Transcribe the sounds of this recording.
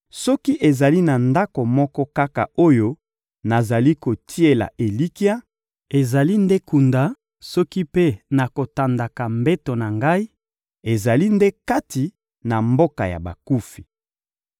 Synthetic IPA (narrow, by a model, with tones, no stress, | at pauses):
sɔ˦ki˦ʔe˨za˨li˦na˨nda˦ko˨mɔ˦kɔ˦ka˦ka̰˨o˦jo˦ | na˨za˨li˦ko˨tʰi˦e˨la̰˨ʔe˨li˦ki˦a˦ | e˨za˨li˦nde˦ku˨nda˨ | sɔ˦ki˦pe˦na˨ko˨ta˨nda˨ka˨mbe˦to˨na˨ŋɡa˦i˦ | e˨za˨li˦nde˦ka˦ti˨ | na˨mbo˦ka˨ja̰˨ba̰˨ku˦fi̥˨